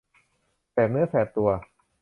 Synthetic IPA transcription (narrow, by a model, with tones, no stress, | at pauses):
pɛː˨˩p̚nɯ˦˥ɐsɛː˨˩tt̪ːu˧ɐ